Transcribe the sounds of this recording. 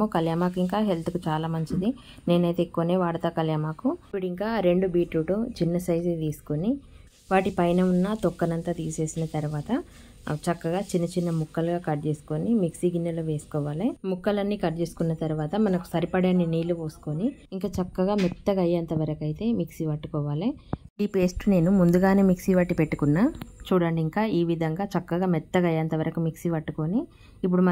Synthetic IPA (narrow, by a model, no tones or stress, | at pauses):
oːkɐljaːmaːk̬iŋk̬aːɦelt̪ukut͡ʃaːlaːmɐɲt͡ʃid̪i | ne̞ːnɐjt̪ekːuneːʋaːɽɐt̪aːkɐljaːmaːkupuɽiŋkaːɾe̞ɳɖubiːʈɾuʈuːt͡ʃinːɐsɐjzit̪iːsu̥koni | ʋaːʈipɐjnɐunːaːt̪ɔkːɐnɐnt̪aːt̪iːse̞ːsinɐt̪ɐɾuʋaːt̪ɐ | t͡ʃɐkːɐɡaːt͡ʃinːɐt͡ʃinːɐmukːɐlɡaːkɐɾt͡ʃeːsu̥konimiksiɡinːɐloːʋe̞ːsu̥kɔːʋaːlimukːɐlɐnːiːkɐɾt͡ʃe̞ːsu̥kunːɐt̪ɐɾuʋaːt̪ɐmɐnɐku̥sɐɾipɐɽaːniniːluʋoːsu̥koniːŋkaːt͡ʃɐkːɐɡaːmɛt̪ːɐɡɐjɐnt̪ɐʋɐɾɐkɐjt̪e̞ːmiksiʋɐʈːukɔːʋaːliɖiːpeːsʈne̞ːnumund̪uɡaːne̞ːmiksiʋɐʈːipeʈːukunːaːt͡ʃuːɽɐɳɖiŋkaːiːʋid̪ʱɐŋɡaːt͡ʃɐkːɐɡaːmɛt̪ːɐɡɐjɐnt̪ɐʋɐɾɐkumiksiʋɐʈːukoːniː | p̬ːuɽumɐ